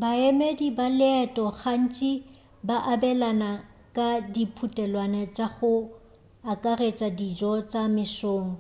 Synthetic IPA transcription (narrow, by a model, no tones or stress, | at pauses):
baemedibalɪɛtʼɔχan̩t͡ʃʼi | baʔabɛlana | kʼadipʰutʼɛlwanɛt͡ʃʼaχʊ | akʼaret͡ʃʼadid͡ʒɔt͡sʼamɪsoːŋɔ